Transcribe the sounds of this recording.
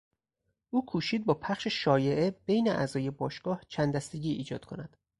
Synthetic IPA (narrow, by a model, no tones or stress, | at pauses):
ʔuːkʰuːʃiːd̪̚bɒːpʰæχʃeʃɒːje̞ʔebejneʔæzɒːje̞bɒːʃɡ̥ɒːht͡ʃʰænd̪æst̪e̞ɟʲiːʔḭːd͡ʒɒ̰ːd̪̥kʰo̞næd̪̥